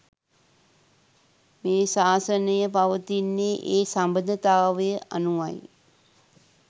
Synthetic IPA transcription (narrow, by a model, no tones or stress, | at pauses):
meːsaːsənəjəpaʋət̪inːeːʔeːsambəd̪ʱət̪aːʋəjəʔanuʋaj